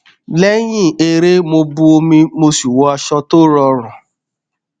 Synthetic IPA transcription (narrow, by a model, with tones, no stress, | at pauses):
lɛ˦j̃ĩ˦˨e˧ɾe˦mo˧bu˧o˧mĩ˧mo˧si˨wɔ˧˦a˧ʃɔ˧to˦ɾɔ˧ɾ̃ɔ̃˨